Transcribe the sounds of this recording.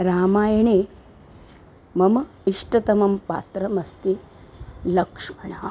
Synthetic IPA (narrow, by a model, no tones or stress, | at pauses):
ɾaːmaːjɐɳeː | mɐmɐ | iʂʈɐt̪ɐmɐmpa̰ːt̪ɾɐmɐst̪i | lɐkʂmɐɳɐ